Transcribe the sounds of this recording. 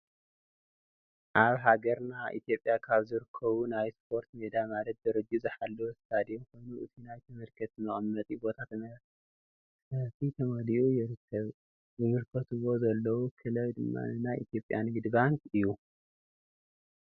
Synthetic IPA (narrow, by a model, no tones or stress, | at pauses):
ʔaβɦaɡɐɾnaʔḭt̪ʰijo̞pʼːjakʰaβzɨɾɨkʰːɐβunajspʰo̞ɾt̪med̪amalɐt̪̚d̪ɐɾɐd͡ʒːuzɨħalːowst̪ʰad̪ijxo̞jnuʔɨt̪ʰinajt̪ʰɨmɨɾkʰɐt̪ɨmɐχʼmːɐt̪ʼibo̞t̪ʰat̪mɐ | sɐfit̪ʰɐmɐliʔujɪɾɨkʰːɐβ | jɨmɨɾkʰɐt̪ʰuwo̞zɐlːɐwukʰɨlɐwd̪ɨmːa̰nɨnajʔḭt̪jo̞pʼːjanɡɨd̪bankɨjːu